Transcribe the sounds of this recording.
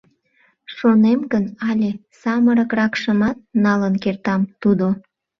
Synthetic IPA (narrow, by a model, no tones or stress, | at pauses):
ʃonemɡənɑlʲesɑməɾəkrɑkʃəmɑt̪̚nɑlənkert̪ɑmt̪ud̪o